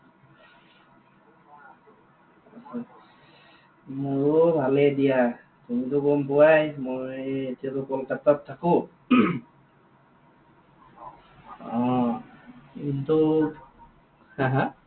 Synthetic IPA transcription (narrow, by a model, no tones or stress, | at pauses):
asa | mʊɹbʱalɛdija | tumitʊɡɔmpɔwajmojetijatʊkɔlkatːat̚tʰːakʊ | ɔ̃ | kintu | hãɦã